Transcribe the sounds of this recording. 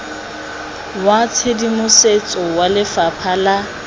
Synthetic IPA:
wat͡sʰedimʊset͡sʼɔwalɪfapʰala

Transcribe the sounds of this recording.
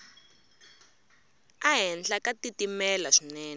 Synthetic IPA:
aɦɛnd͡ɮakatitimɛlaʂinɛːnɛ

